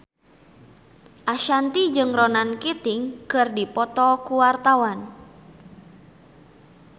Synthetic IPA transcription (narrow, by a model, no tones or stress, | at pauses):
ʔaʃant̪id͡ʒɨŋrɔnankit̪ɪŋkɨrdipɔt̪ɔkuwart̪awan